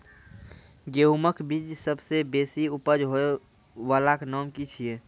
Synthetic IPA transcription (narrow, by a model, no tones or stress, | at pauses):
ɡeuməkʰbid͡ʒsəbsebesiupəd͡ʒɦoe | walaknɔmkit͡ʃʰije